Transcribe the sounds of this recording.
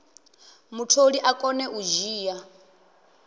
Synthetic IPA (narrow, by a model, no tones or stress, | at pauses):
mutʰoɺiʔakʼɔnɛʔuʒiːja